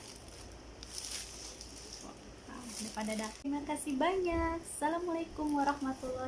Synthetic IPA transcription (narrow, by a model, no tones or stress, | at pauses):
a̰ | a̰dapadadak̚t̪imakasibaɲaksalamalajkʊmwaɾɑhmat̪ulːɑ